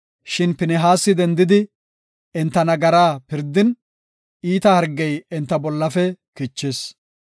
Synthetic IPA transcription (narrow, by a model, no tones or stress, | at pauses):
ʃɪnpɪnɛɦaːsːɪd̪ɛnd̪ɪd̪ɪ | ɛnt̪ːɐnɐɡɐɾaːpɪɾd̪ɪn | iːt̪ɐhɐɾɡɛjɛnt̪ːɐbɔlːɐfɛkɪt͡ʃːes